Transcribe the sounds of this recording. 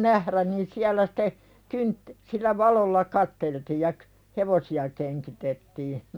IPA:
næhræn niːn siælæ site kynt silːæ ʋɑlolːɑ kɑtːeltiː jɑ k heʋosiɑ keŋkitetːiː

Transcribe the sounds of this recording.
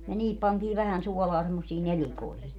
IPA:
jɑ niːhip pɑntiː ʋæhæn suɔlɑː semːosːiː nelikoihi

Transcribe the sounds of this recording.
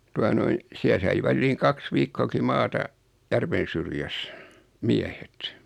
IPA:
tuɑ noin siæ sɑi ʋælːiːŋ kɑks ʋiːkːoːki mɑːtɑ jærʋen̞ syrjæs miæhet

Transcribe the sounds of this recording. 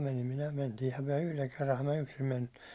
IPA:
menim minæ mentiːhæm myæ̹ yhleŋ kerːɑhɑm mæ yksim menim mut

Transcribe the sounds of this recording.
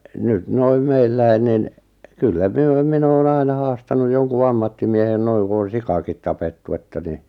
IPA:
nyt noim̆ meilːæi nin kylːæ myø min oːn ɑinɑ hɑːstɑnu joŋku ɑmːɑtːimiehen noiŋ ku on̞ sikɑkit tɑpetːu etːæ ni

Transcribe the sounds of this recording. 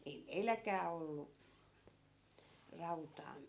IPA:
ei meilːækˑæː olːu rɑutɑː

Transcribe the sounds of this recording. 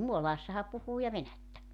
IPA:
muolɑːsːɑhɑ puhuː jɑ ʋenætːæ

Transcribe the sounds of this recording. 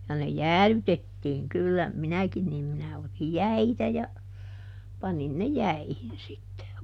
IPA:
jɑ ne jæːlytetːiːŋ kylːæ minækin niːm minæ otij jæitæ jɑ pɑnin ne jæihin sitːe

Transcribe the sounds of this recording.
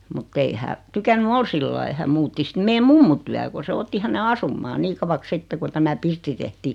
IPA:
mutː ei hæ tykænːy ol silːɑi hæm muːtːi sĭt meːm mumːu tyæ ko se otːi hæne ɑsumːɑː niː kɑʋɑks sitːe ku tæmæ pirtːi tehtiː

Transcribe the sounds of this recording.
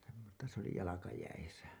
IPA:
semːostɑ se oli jɑlɑkɑjæisæ

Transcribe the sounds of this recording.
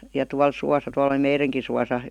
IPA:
jɑ tuɑl suɑsɑ tuɑl ə̆li meireŋki suɑsɑ

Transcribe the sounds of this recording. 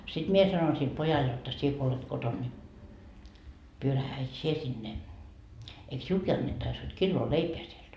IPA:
sit mie sɑnoin sil pojɑl jotːɑ sie ko olet koton ni pyøræhæ et sie sinːe eik siulki ɑnːetːɑis hod kilːoː leipeæ sield̥

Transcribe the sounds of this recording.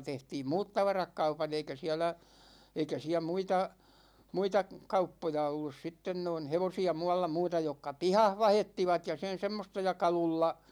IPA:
tehtiːm muːt tɑʋɑrɑk kɑupɑn̞ eikæ siɛlæ eikæ siæ muitɑ muitɑ kɑupːojɑ olːus sitːen noin̞ heʋosiɑ muɑlːɑ muːtɑ jokːɑ pihɑh ʋɑhetːiʋɑt jɑ sen̞ semːostɑ jɑ kɑlulːɑ

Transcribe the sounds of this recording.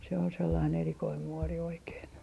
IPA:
se on selːɑin erikoim muori oikeːn

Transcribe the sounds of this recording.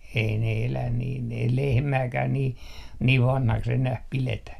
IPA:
ei ne elæn niːn ei lehmæːkæː niː niːʋ ʋɑnhɑks enæh piletæ

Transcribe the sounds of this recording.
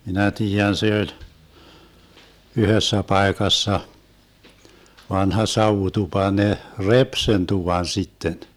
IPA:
minæ tiːjæn se olʲ yhøsːæ pɑekɑsːɑ ʋɑnhɑ sɑuʋutupɑ ne rep sen tuʋɑn sitːen

